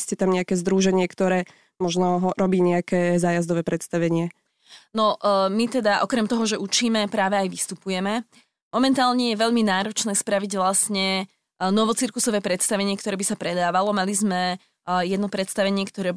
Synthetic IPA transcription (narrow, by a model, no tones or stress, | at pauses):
scɛt̪amɲɛakɛːzd̪ɾuːʒɛɲɪɛkt̪ɔɾɛː | mɔʒnɔɦɔɾɔbiːɲɛakɛːzaːjazd̪ɔʋɛːpɾɛt̪st̪aʋɛɲɪɛ | nɔʔmit̪ɛd̪aʔɔkɾɛmt̪ɔɦɔʒɛʔut͡ʃiːmɛpɾaːʋɛajʋist̪upujɛmɛ | mɔmɛnt̪aːlɲɛjɛʋɛʎminaːɾɔt͡ʃnɛːspɾaʋiɟʋlasɲɛ | nɔʋɔt͡siɾkusɔʋɛːpɾɛt̪st̪aʋɛɲɪɛkt̪ɔɾɛːbisapɾɛd̪aːʋalɔmalizmɛ | jɛd̪nɔpɾɛt̪st̪aʋɛɲɪɛkt̪ɔɾɛː